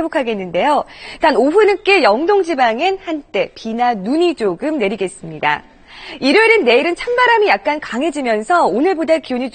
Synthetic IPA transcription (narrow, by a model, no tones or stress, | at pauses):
ebokʰaɡenːɯnde̞jotanoɸunɯk͈e̞jʌŋdoŋd͡ʑibaŋenhant͈e̞pinanuɲid͡ʑoɡɯmne̞ɾiɡe̞s͈ɯmɲida̰ | iɾɯɾɯnːe̞iɾɯnt͡ɕʰambaɾamijak̚k͈ankaŋɦe̞d͡ʑimjʌnsʰʌonɯɭbodakiuɲit͡ɕ